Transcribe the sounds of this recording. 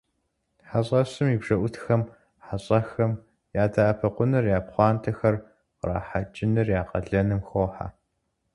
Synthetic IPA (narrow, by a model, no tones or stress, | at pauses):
ħaɕʼɐɕɨmibʐɐʔʷʊtʰxɐm | ħaɕʼɐxɐm | jaːdaːʔɐpʰɐqʷʊnɨrjaːpχʷɑːntʰɐxɐr | qra̰ːħat͡ʃʼɪnɨrjaːqɐ̰ɮɐnɨmxoːħa̰